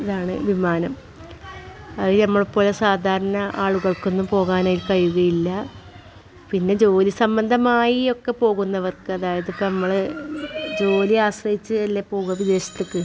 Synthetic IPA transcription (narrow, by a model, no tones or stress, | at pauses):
iðaːɳɨʋimaːnɐm | ɐðinɐmːɐɭpːo̞ːlesaːd̪ʱaːɾɐɳɐʔaːɭuɣɐɭko̞nːumpo̞ːɣaːnaːjilkɐjuɣɐjilːɐ | pinːe̞d͡ʑo̞ːlisɐmbɐnd̪ʱɐmaːjio̞kːe̞po̞ːɣunːɐʋɐrkɨɐðaːjɐðipːonɐmːɐɭ | d͡ʑo̞ːliaːɕrɐjit͡ɕːɨɐlːepo̞ːɣuɐʋid̪e̞ːɕɐ̥t̪ːekːɨ